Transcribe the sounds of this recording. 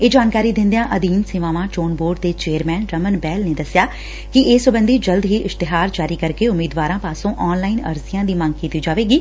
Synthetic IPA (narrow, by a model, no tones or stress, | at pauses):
eːd͡ʒaːnkaːɾiːd̪ɪ̃nd̪ejãːʔəd̪iːnsɪʋãːʋãːʈoːnboːɾɖ̚d̪eːt͡ʃeːəɾmɛːnɾəmənbɛːlneːd̪əsjaː | kɪʔeːsʊbənd̪iːd͡ʒəld̪ɦiːʔɪst̪ɪɦaːɾd͡ʒaːɾiːkəɾkeʊmiːd̪ʋaːɾãːpaːsõːʔɔːnlaːɪnə̰ɾsijãːd̪iːmə̃ŋɡ̚kiːt̪iːd͡ʒaːʋeːɡiː